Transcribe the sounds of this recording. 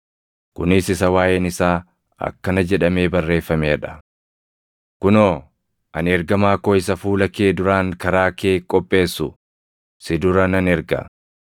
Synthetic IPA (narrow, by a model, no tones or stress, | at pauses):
kʊnɪsɪsɐwaːjenɪsaː | ɐ̰kːɐnɐd͡ʒɛᶑɐme̞ːbɐrːe̞ːfːɐmeᶑɐ̥ | kʊnoː | ʔɐ̰nɛɾɡɐmaːkoːɪs̬ɐfuːlɐkeːd̪ʊɾaːŋkɐɾaːke̞ːkʼːɔpʼːe̞ːsːʊ | sɪd̪ʊɾɐnɐnɛɾɡɐ̰